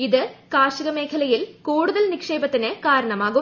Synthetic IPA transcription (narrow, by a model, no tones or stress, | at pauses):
iðɨkaːʂɐɣɐme̞ːkʰɐlɐjilkuːɽuðɐlnikʂe̞ːbɐt̪ːinɨkaːɾɐɳɐmaːɣu